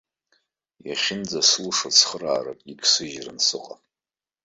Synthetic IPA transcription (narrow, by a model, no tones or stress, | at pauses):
jaχʲɪnd͡zaslʂat͡sʰχəraːɾakʼikʰsɨʒransɨqʼa